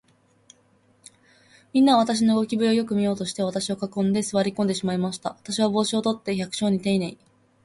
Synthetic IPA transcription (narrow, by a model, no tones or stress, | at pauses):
mʲĩnːaβ̞at̪aɕ̬ino̞ɯɡo̞kʲibɯ̟ɾʲiojo̞kɯ̟mʲijo̞ːt̪o̞ɕi̥t̪e̞β̞at̪aɕio̞kakõ̞nd̪e̞sɨβaɾʲikond̪e̞ɕimaimaɕi̥t̪a̰βat̪aɕiβabo̞ːɕio̞t̪o̞t̪ːe̞çakɯ̟̥ɕo̞ːɲ̟it̪e̞inai